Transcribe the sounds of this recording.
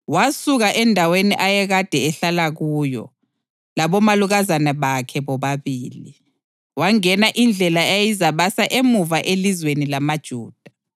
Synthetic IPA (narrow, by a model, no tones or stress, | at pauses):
wasuɣaʔɛndʱaweniʔajɛɣad̥ʱɛɛɬalaɣujɔ̰ | laβɔmaluɣazanaβakʰɛβɔβaβiːli | waŋɛnaʔind͡ɮʱɛlaejizaβasaʔemuvaʔelizwenilamad̥ʒ̥ʱuːd̥ʱa